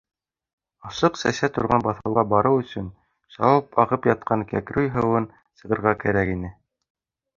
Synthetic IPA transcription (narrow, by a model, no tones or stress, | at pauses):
ɑʃɤqsæ̰sæt̪ŏɾʁɑnbɑθɤ̆wʁɑbɑɾɤwɵ̆sɵn | sɑ̰wɑp̚ɑʁɤpjɑt̪̚qɑŋkæ̰kɾʉjɦɤ̆wɤn | sɤ̆ʁɤ̆ɾʁɑkæɾækinɘ